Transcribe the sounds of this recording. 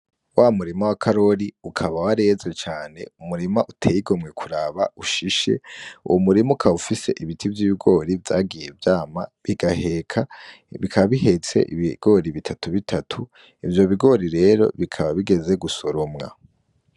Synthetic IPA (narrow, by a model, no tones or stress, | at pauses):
wʔamuɾimawakʰaɾo̞ɾiukʰaβawaɾe̞ːzet͡ʃaːne̞̰umuɾimaʔutʰeːjiɡo̞mŋe̞kʰuɾaβauʃiʃe̞̰ṵwumuɾimukʰaufise̞̰ʔiβitʰivjiːβiɡo̞ːɾivjaːɡije̞vjaːmaβiɡahe̞kʰa | βikʰaβaβihe̞t͡se̞̰ʔḭβiɡ̥o̞ɾiβitʰatuβitʰatʰu | ivjo̞βiɡo̞ːɾiɾe̞ːɾo̞̰βikʰaβaβiɡe̞ze̞ɡuso̞ɾomŋa̰